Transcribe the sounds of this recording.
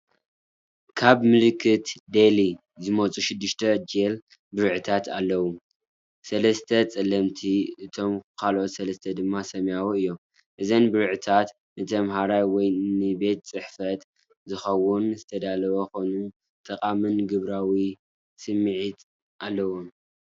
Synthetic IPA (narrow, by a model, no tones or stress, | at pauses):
kʰaβmɨlɨkʰːɨt̪d̪eli | zɨmot͡sʼuʃɪd̪ːɨʃt̪ʰɐd͡ʒel | bɨɾʕɨt̪ʰat̪ʰalːɐwu | sɐlɐst̪ʰɐt͡sʼɐlɐmt̪ʰiɨt̪ʰo̞mkʰalʔo̞t̪sɐlɐst̪ʰɐd̪ɨmːasɐmjawoɨjːo̞m | ʔɨzɐnbɨɾʕɨt̪ʰat̪ | nɨt̪ʰɐmɦaɾajwɔjnɨbe̞t̪̚t͡sʼɨħfɐt̪ | zɨxɐwunzɨt̪ʰɐd̪alɐβɐxo̞nu | t̪ʼɐkʼamɨnɡɨβɾawi | sɨmːɨʕit̪ | ʔalːɐwom